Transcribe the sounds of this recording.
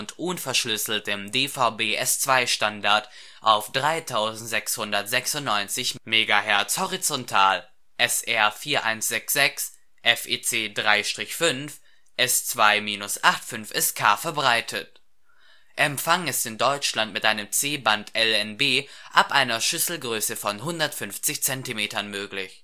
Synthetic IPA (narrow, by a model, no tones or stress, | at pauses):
ʊntʔʊnfɛɐʃlʏsl̩təmdeːfaʊbeːʔɛst͡sv̥aɪʃtandaɐt | ʔaʊfd̥ʁaɪtʰaʊzn̩tz̥ɛkshʊndɐtz̥ɛksʊntnɔʏnt͡sɪçmeːɡahɛɐt͡shɔʁit͡sɔntʰaːl | ʔɛsʔɛɐfiːɐʔa̰ɪnsz̥ɛksz̥ɛks | ʔɛfʔeːt͡seːdʁaɪʃtʁ̥ɪçfʏnf | ʔɛst͡sv̥aɪmiːnʊsʔaχtfʏnfɛskʰaːfɛɐbʁaɪtʰət | ʔɛmfaŋɛsɪndɔʏt͡ʃlantmɪtʔaɪnəmt͡seːbantʰɛlɛnbeːʔapʔaɪnɐʃʏsl̩ɡʁøːsəfɔnɦʊndɐtfʏnft͡sɪçt͡sɛntimeːtɐnmøːklɪç